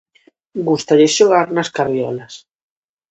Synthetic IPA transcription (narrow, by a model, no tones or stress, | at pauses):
ɡust̪aʎɪsʃoɣ̞aɾnɐskaɾβjɔlɐs